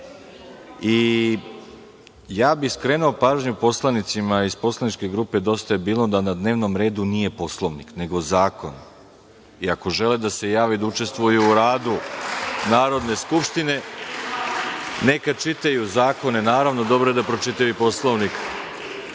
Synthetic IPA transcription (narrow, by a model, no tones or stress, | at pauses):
i | jaːbiskɾe̞ːnuopaːʒɲupo̞slˠanit̪simaispo̞slˠanit͡ʃke̞ɡɾuːpe̞d̪o̞st̪ajebiːlˠod̪anad̪ne̞ːʋno̞mɾe̞ːd̪unije̞po̞slˠoʋnikne̞ɡo̞zaːko̞n | iako̞ʒe̞led̪ase̞jaːʋid̪aut͡ʃe̞st̪ʋujuːɾaːd̪unaːɾo̞d̪ne̞skupʃt̪ine̞ | ne̞kat͡ʃit̪ajuzaːko̞ne̞naːɾaʋno̞d̪o̞bɾoed̪apɾo̞t͡ʃit̪aʋipo̞slˠoʋnik